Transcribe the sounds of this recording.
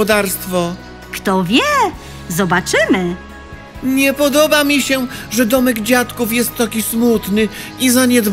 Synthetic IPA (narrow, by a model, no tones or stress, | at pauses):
ɔd̪aɾst̪fɔ | kt̪ɔvʲjɛ | zɔbat͡ʂɘmɘ | ɲɛpɔd̪ɔbamʲiɕɛʐɛd̪ɔmɛɡd͡ʑat̪kufjɛst̪ːakʲismut̪nɘizaɲɛd̪v